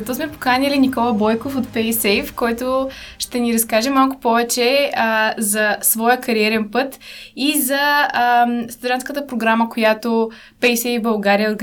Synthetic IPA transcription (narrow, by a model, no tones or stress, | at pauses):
t̪ɔsmɛpo̥kanʲilinikɔlˠəbɔjkofot̪pɛjsɛfkɔjt̪oʃt̪ɛniɾɐskaʒɛmalˠkʊ̥pɔvɛt͡ʃɛ | zɐsvɔjəkɐɾiɛɾɛnpɤt̪izɐmst̪ɐd̪ʲɾanskət̪əpɾoɡɾaməkojat̪o | pɛjsɛibɐlˠɡaɾijəoɾɡ